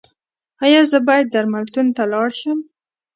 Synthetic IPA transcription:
ɑjɑzəbɑjad̪̚ːaɾmalt̪unt̪alɑɽʃəm

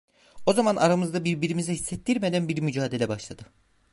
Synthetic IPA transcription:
o̞zamanʔaɾamɯzd̪abiɾbiɾimizɛhisːɛt̪ːiɾme̞d̪ænbiɾmyd͡ʒaːd̪elʲɛbaʃlˠad̪ɯ

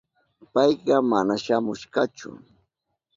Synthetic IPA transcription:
pɑjɢɑmanaʃamʊʃɢɑt͡ʃʊ̰

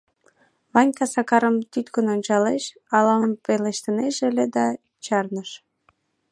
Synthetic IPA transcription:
βɑnʲkɑsɑkɑɾəmt̪yt̪kənonʲt͡ɕɑleʃ | ɑlɑəmpeleʃt̪əneʃeled̪ɑ | t͡ɕɑrnəʃ

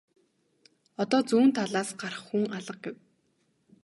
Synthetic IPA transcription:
ɔt̪ɔːt͡suːnt̪ʰaɮaːsɢ̥aɾə̆χːuŋaɮə̆q̚ɡew

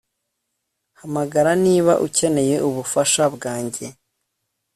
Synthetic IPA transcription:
hamaɡaɾaniːβa̰ʔuce̞ne̞je̞ʔuβufaʃabɡaːɲɟe̞

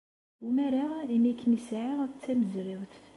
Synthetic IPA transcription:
umæɾaʁinækːnisʕaʁæt͡sːæməzɾɪwθ

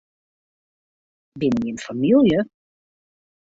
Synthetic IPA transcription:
bɪniənfamilˠjə

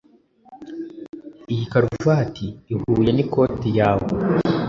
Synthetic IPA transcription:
ijikaɾuvatʰiːhuːjeniko̞ːtijaːwo̰

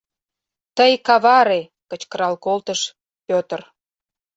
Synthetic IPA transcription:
t̪əjkɑβɑɾe | kət͡ɕkəɾɑlkolt̪əʃ | pʲøt̪ə̆r

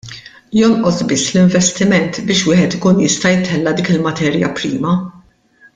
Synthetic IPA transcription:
jɔnʔɔsbɪsːlɪɱvɛst̪ɪmɛnt̪bɪːʃwɪːħɛt̪ɪkuːnjɪst̪ɐjɪt̪ʰɛlːɐd̪iːkɪlmɐt̪ɛːɾjɐ̰pɾiːmɐ

